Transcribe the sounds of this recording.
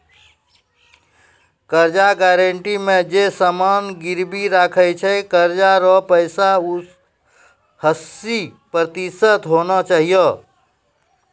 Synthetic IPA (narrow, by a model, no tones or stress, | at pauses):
kəɾd͡ʒaɡɛɾəɳʈimẽd͡ʒesəmanɡiɾbiɾakʰət͡ʃʰəjkəɾd͡ʒaɾɔpəɪsau | həsipɾət̪isət̪ɦonɔt͡ʃaɦijə